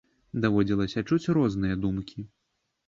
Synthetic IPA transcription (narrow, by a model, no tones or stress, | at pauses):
d̪avɔd͡zʲilˠɐsʲɐt͡ʂut͡sʲrɔznɨjɐd̪umkʲʰi